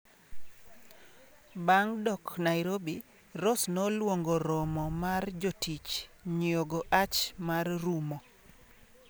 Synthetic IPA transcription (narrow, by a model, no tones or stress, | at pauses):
baŋdɔknaɪɾobi | ɾosnolwoŋɡoɾɔmɔmard͡ʒotit͡ʃɲjoɡoʔat͡ʃmarrumɔ